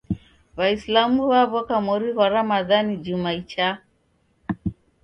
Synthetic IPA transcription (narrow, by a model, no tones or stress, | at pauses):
βaislamuβaβɔkamɔɾiɣwaɾamaðanid͡ʒumait͡ʃa